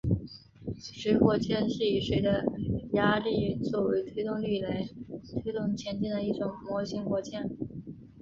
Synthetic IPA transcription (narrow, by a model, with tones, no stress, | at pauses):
ʂɻ̩˧˥xwɔ˥˧t͡ɕʰjɛ˥˧nɕi˥˩˨ʂe˧˥ɪd̪ə˧ja˥li˥˩t͡swɔ˥˩we˧˥ɪt̪ʰwe˥ɪt̪ʊ˥˧ŋly˥˩la˧˥ɪt̪ʰwe˥ɪt̪ʊ˥˩ŋt͡ɕʰjɛ˧˥nt͡ɕ̪i˥˩nd̪ə˩i˥˩ʈ͡ʂʊ˨˩ŋmwɔ˧˥ɕi˧˥ŋkwɔ˧˥t͡ɕʰjɛ˥˩n